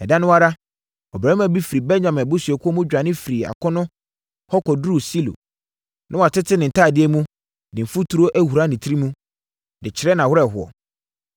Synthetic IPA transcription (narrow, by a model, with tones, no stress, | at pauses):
ɛ˨dã˦nʊ̃˦wa˦ɾa˦ | ɔ˨bɾã˨˦æ˨bi˦fi˨ɾi˨bɛ˦ɲã˨mɛ̃˨bʊ˦su˨ɛ˨kʰɔ˦mũ˦d͡ʑᶣa˨nɪ̃˦fi˨ɾi˨a̰˨kʰɔ̃˦nʊ̃˦ | hɔ˦kʰɔ˨du˦ɾu˦˨si˦lo̰˨ | nʔã˦wa˨tʰɪ˦tʰɪ˦nɪ̃˨n̩˨tʰaː˦˨dɪ˦ɛ˦mũ˦ | nɪ̃˨m̩˨fu˦tʰu˨˦ɾo˦ʔæ˦hu˨ɾa˦nɪ̃˨tʰi˦ɾi˦mũ˦ | dɪ˨t͡ɕʰɪ˨ɾɛ˦nã˨hʊ˦ɾɛ˦˨ɦʊ˨ɔ̰˨